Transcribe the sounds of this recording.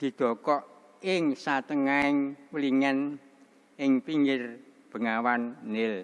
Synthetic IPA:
d̪̥i̤d̪̥ɔ̤kɔʔ | ɪŋsat̪əŋaɪŋwəliŋan | ɪŋpiŋɡɪr | b̥ə̤ŋawanːɪl

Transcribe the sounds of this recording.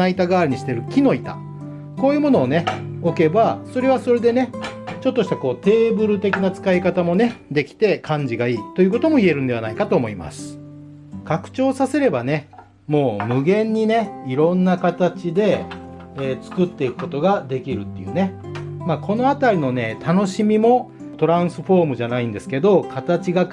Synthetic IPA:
ait̪aɡaːɾɲ̟iɕi̥t̪e̞ɾɯ̟kʲino̞it̪a̰ | ko̞ːjɯːmo̞no̞ːne̞o̞ke̞baso̞ɾe̞β̞aso̞ɾe̞d̪e̞ne̞t͡ɕo̞t̪ːo̞ɕi̥t̪ako̞ːt̪e̞ːbɯ̟ɾɯ̟t̪e̞kʲinat͡sɨ̥kaikat̪amo̞ne̞d̪e̞kʲi̥t̪e̞kʰãɲ̟d͡ʑiɡaiːt̪o̞jɯ̟ːko̞t̪o̞mo̞ie̞ɾɯ̟̃nd̪e̞β̞anaikat̪o̞ːmo̞ima̰sɨ̥ | kakɯ̟̥t͡ɕo̞ːsase̞ɾe̞bane̞ | mo̞ːmɯ̟ɡẽ̞ɲ̟ːine̞iɾõ̞nːakat̪at͡ɕid̪e̞ | eːt͡sɨ̥kɯ̟t̪ːe̞ikɯ̟̥ko̞t̪o̞ɡad̪e̞kʲiɾɯ̟t̪ːe̞jɯ̟̰ːne̞maːkʰo̞no̞at̪aɾʲino̞ne̞t̪ano̞ɕimʲimo̞ | t̪o̞ɾãɰ̃sɨɸo̞ːmɯ̟ʑanaĩnd̪e̞sɨ̥ke̞d̪o̞kʰat̪at͡ɕiɡa

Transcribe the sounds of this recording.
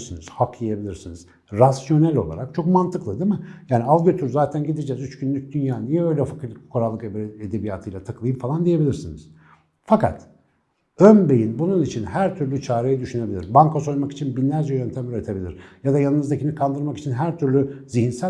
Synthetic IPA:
siniz̥hakʰijebilʲiɾsiniz̥ | ɾasjo̞nælʲo̞lˠa̰ɾak̚t͡ʃʰo̞kmant̪ʰɯklˠɯd̪emɯjaːnialˠɟøt̪ʰyɾzaːt̪ʰænɟid̪id͡ʒɛzyt͡ʃɟynlʲyc̚d̪ynjaːnijɛø̞jlʲɛfakʰɯkʰo̞ɾalˠːɯkeed̪ebijat̪ʰɯjlʲˠat̪ʰakʰɯlˠɯjɯmfalˠand̪ije̞bilʲiɾsinḭz̥ | faka̰t̪ | ønbe̞jinbununit͡ʃʰinhæɾt̪ʰyɾlʲyt͡ʃʰaːɾejad̪yʃyne̞bilʲḭɾbaŋkʰaso̞jmaki̥t͡ʃʰinbinlʲæɾd͡ʒɛjøɾønt̪ʰɛmyɾet̪ʰe̞bilʲḭɾjad̪ajanˠɯnɯzd̪acʰinikʰand̪ɯɾmaki̥t͡ʃʰinɦæɾt̪ʰyɾlʲyzihinsæ

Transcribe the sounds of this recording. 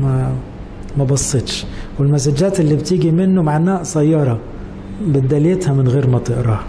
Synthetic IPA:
mæ | mæbɑsˤːet̪ˤʃ | wɪlmæsæd͡ʒæːt̪ɪlːibt̪iːɡimɪnːʊmaʕanːæːʔsæjːɑɾˤɑ | bɪt̪̚d̪æljet̪hæmɪnɣeːɾmæt̪eʔɾɑːh

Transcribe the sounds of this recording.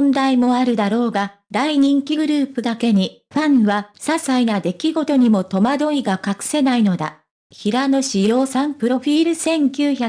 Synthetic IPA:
nd̪aimo̞aɾɯ̟d̪aɾo̞ːɡa | d̪aiɲ̟ĩŋkʲiɡɯ̟ɾɯ̟ːpɯ̟d̪ake̞ɲ̟i | ɸãɰ̃βasasainad̪e̞kʲiɡo̞t̪o̞ɲ̟imo̞t̪o̞mad̪o̞iɡakakɯ̥se̞naino̞d̪a̰ | çiɾano̞ɕijo̞ːsãmpɯ̟ɾo̞ɸʲiːɾɯ̟sẽ̞ŋkʲɨːçḁ

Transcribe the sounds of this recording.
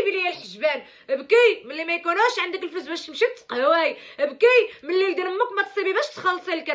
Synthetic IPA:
bilijːælħəʒbæn | bkimənlːimæjkunæʃʕand̪əkəlfʊzbæʃt̪əmʃit̪qhwæjbkimənlːild̪ənəmːukmæt̪sˤibibæʃt̪xɑlːsˤilkæ

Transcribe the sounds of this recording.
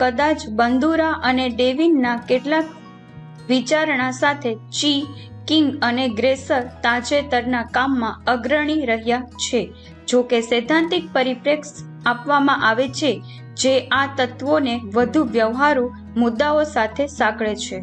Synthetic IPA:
kəd̪at͡ʃbənd̪uɾaʔəneɖeʋinːakeʈlak̚ | ʋit͡ʃaɾɳ̃asat̪ʰet͡ʃi | kiŋɡəneɡɾesəɾt̪ad͡ʒet̪əɾnakamːãəɡɾəɳ̃iɾəɦjat͡ʃʰe | d͡ʒokesed̪ʱãnt̪ik̚pəɾipɾeks | apʋamãʔaʋet͡ʃʰe | d͡ʒeʔat̪ət̪ʋoneʋəd̪ʱuʋjəʋɦaɾũ | mʊd̪ːaosat̪ʰesãkɭet͡ʃʰe

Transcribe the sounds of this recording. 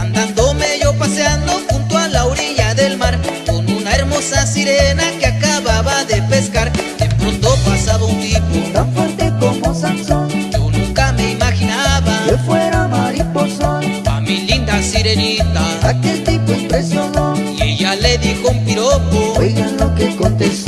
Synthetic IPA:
and̪and̪omeʝopaseand̪oxunt̪oalaoɾiʎaðelmaɾkonunaeɾmosasiɾenakeakaβaβaðepeskaɾempɾont̪opasaβount̪ipod̪afwent̪ekombosasonʝonũŋkameimaxinaβaofweɾamaɾiposoa̰milind̪asiɾenit̪aakelt̪ipoimpɾesjono | iʝaleðixoumpiɾopobeʝalokekont̪es

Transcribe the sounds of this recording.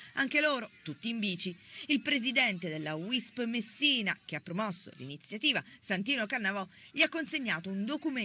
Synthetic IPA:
aŋkeloːɾot̪ut̪ːiːmbiːt͡ʃiilpɾezid̪ɛnt̪ed̪elːawispmesːiːnak̟eapːɾomɔsːo̰lḭnit̪sːjat̪iːvasant̪iːnokanːavɔʎiakːonseɲːaːt̪ound̪okume

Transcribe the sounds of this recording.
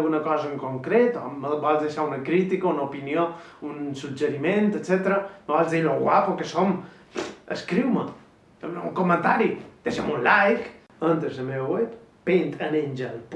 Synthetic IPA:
ɣunəkɔzəːŋkoŋkɾet̪ɔməbɔlzðeʃaunəkɾit̪ikəunəupinio | unsud͡ʒəɾiment̪ət͡set̪əɾəməβɔlzðiloɣwapokəsom | əskɾiwmə | ṵŋkomənt̪aɾid̪̥eʃəmunlajk | ənt̪əzəmewwɛp | pent̪əneɲʲd͡ʒəlp

